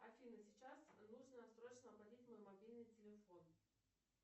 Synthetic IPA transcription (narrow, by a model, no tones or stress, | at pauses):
ɐfʲinɨsʲɪt͡ɕasnuʐnəsɾot͡ɕnəɐbɐdʲitʲmojmɐbʲilʲnɨjtʲɪlʲɪfo̞n